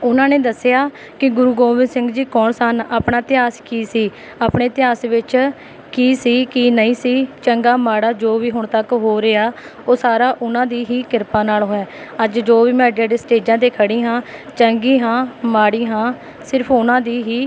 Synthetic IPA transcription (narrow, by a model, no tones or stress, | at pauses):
ʊnãːneːd̪əsːɪjaː | kɪɡʊɾuːɡoːmɪ̃nsɪ̃ŋɡd͡ʒiːkɔːɳsənaːpɳaːt̪ɪaːskiːsiː | aːpɳeːt̪ɪjaːsʋɪt͡ʃ | kiːsiːkiːnəĩːsiːt͡ʃəŋɡaːmaːɽaːd͡ʒoːʋiːɦʊɳt̪əkɦoːɾeːaːoːsaːɾaːʔʊnãːd̪iːɦiːkɪɾpãːnaːlɦoːɛːəd͡ʒd͡ʒoːʋiːmɛ̃ːɖãːɖeːsʈeːd͡ʒãːd̪eːkʰəɽĩːɦãːt͡ʃəŋɡiːɦãːmaːɽiːɦãː | sɪɾpʰʊnãːd̪iːɦiː